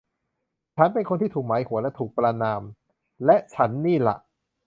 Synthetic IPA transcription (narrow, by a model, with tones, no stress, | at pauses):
t͡ɕʰa˦˥npe˧nkʰo˧nt̪iː˥˩t̪ʰuː˨˩k̚maː˩˦jhu˨˩˦lɛ˦˥t̪ʰuː˨˩k̚pɾa˧naː˧m | lɛ˦˥ʔt͡ɕʰa˦˥nːiː˥˩la̰˨˩ʔ